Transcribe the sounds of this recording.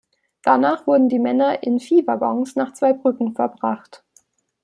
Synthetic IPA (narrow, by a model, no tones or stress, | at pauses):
d̥anaːχv̥ʊɐdn̩diːmɛnɐʔɪnfiːvaɡɔŋsnaːχt͡sv̥aɪbʁʏkŋ̩fɛɐbʁaχt